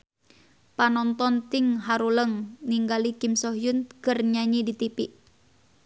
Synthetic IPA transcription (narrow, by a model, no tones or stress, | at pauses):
panɔnt̪ɔnt̪ɪŋɦaɾuləŋniŋɡalikimsɔɦjʊnkərɲaɲidit̪ipiʔ